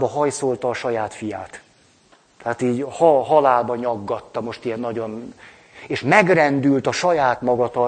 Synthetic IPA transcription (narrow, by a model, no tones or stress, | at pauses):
bɒɦɒjso̞lt̪ɒːʃɒjaːt̪fija̰ːt̪ | t̪ɛaːt̪iːɟhɒɦɒlaːlbɒɲɒɡːɒt̪ːɒmo̞ʃt̪ijɛnːɒɟo̞n | eːʃmɛɡrɛnd̪ylt̪ɒʃɒjaːt̪mɒɡɒt̪ɒ